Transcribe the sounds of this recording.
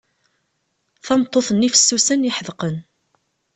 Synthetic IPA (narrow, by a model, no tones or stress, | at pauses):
θɑmt̪ˤːoθənːifə̥sːusəniħəðqən